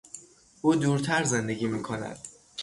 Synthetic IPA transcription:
ʔuːd̪uːɾt̪ʰæɾze̞nd̪e̞ɟʲiːmiːkʰo̞næ̰d̪̥

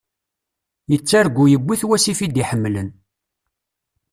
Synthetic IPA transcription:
jət͡sːaɾɡujəɡʷːiθwæsifid̪iħəmːlən

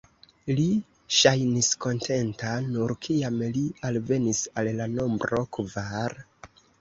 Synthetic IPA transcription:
li | ʃajnisko̞ntʰe̞ntanuɾkʰiamlialve̞nisallano̞mbɾo̞kvaɾ

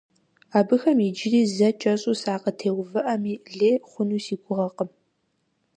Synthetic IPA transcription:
aːbɨxɐmid͡ʒɪriːzɐt͡ʃʼɐɕʼuːsaːqətʰeːwvɨʔɐmiːɮeːχʷʊnuːsiːɡʷʊʁɐqəm

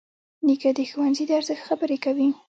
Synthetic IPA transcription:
nikad̪əxuwanzid̪əaɾzəxt̪xabəɾekawi

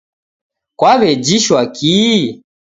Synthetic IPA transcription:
kwaβɛd͡ʒiʃwaki

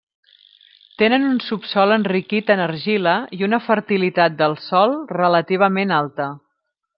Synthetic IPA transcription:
t̪enənunsupsɔlənrikit̪ənəɾʒiləiunəfəɾt̪ilit̪at̪̚d̪əlˠsɔlˠrələt̪iβ̞əmenalˠt̪ə

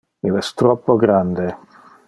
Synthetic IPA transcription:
ilɛst̪ɾɔpːoɡɾand̪e

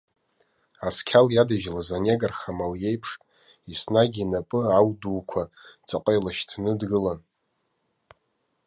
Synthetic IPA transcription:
askʲʰaljadaʒlazaneɡarχamalje̞jpʰʂtʼ | isnaɡʲinapʼɨawduːkʷʰat͡sʼaqʼajlaʃtʰnɨdɡɨlan

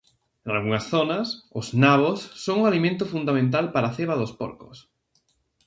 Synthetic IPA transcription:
enalɣuŋɐsθonɐsʊznaβ̞osːoŋuŋalimẽnt̪ʊfund̪amẽnt̪̬alpaɾaθeβ̞ɐðʊspo̰ɾkʊ̰s

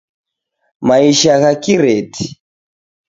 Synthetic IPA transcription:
maiʃaɣakiɾɛti

